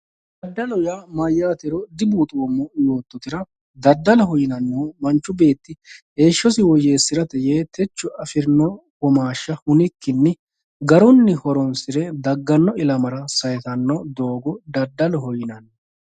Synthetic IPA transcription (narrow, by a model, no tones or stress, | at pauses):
d̪ɐd̪ːɐlɔjaːmɐjːaːt̪ɛɾɔd̪ɪbuːt̪ʼoːmːɔjo̞ːt̪ːɔt̪ɪɾɐ | d̪ɐd̪ːɐlɔɦɔjɪnɐnːoːmɐnt͡ʃːʊbe̞ːt̪ːɪheːʃːɔs̬ɪwɔjeːsːɪɾɐt̪ɛjeːt̪ʰɛt͡ʃːʊɐfɪɾnɔwɔmaːʃːɐhʊnɪkːɪnːɪ | ɡɐɾɔnːɪhɔɾɔnsɪɾɛd̪ɐɡːɐnːɔɪlɐmɐɾɐsɐjɛt̪ɐnːɔd̪o̞ːɡɔd̪ɐd̪ːɐlɔɦɔjɪnɐnːo